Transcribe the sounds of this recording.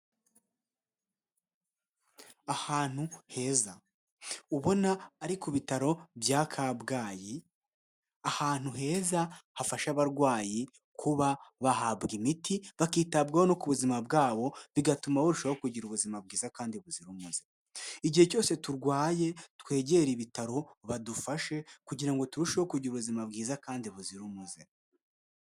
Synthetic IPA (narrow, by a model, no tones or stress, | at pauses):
ahaːn̥huhe̞ːza | uβo̞naːɾikuβitaɾo̞bjaːkʰabɡaːji | ahaːn̥huɦe̞ːzahafaʃaβaɾɡwaːji | kʰuβaβahabɡimitiβakiːtab̚ɡahonokuβuzimabɡaːβo̞βiɡatumahoɾuʃaβaokuɟiɾuβuzimab̚ɡiːzakaːndiβuziɾumuze | iɟihe̞co̞ːse̞tuɾɡwaːje̞twe̞ːɟe̞ɾiβitaɾo̞βadufaʃe̞kuɟiɾaŋɡo̞tuɾuʃahokuɟiɾuβuzimabɡiːzakaːndiβuziɾumuze